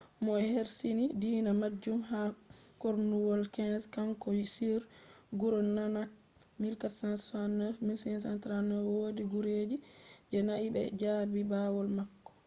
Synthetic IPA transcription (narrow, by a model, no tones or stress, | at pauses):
mɔheɾsinidiːnamad͡ʒːumɦakoɾnuwɔlkɛnskaŋkɔjsiɾɡuɾɔnːanak | milkatsansanɔmilsnsantɾanɔwodiɡuɾeːd͡ʒid͡ʒɛnaʔibɛ̰d͡ʒaːbibawɔlmakːɔ̥